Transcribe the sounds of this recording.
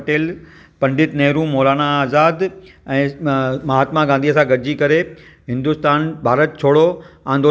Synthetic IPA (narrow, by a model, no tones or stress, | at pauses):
ʈeːl | pɐ̃ɳɖɪt̪nɐɦɾũmɔːlaːnaaːzaːd̪ | ɛ̃ːmɐɦaːt̪mãɡãːn̆d̪iɐsãɡɐɾd͡ʑikɐɾe | ɦɪ̃nd̪ʊst̪aːnbʱaːɾət̪̚t͡ɕʰoːɽoãnd̪oː